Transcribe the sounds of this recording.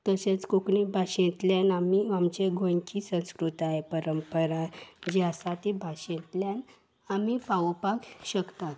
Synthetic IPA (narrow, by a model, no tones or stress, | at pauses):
t̪əɕẽt͡skoknibʱaɕẽt̪ljanamiamt͡ɕeɡʱõɲkisə̃w̃skɾut̪aɦepəɾəmpəɾad͡ʑeasat̪ibʱaɕẽt̪ljan | amipaʋpakɕəkt̪at̪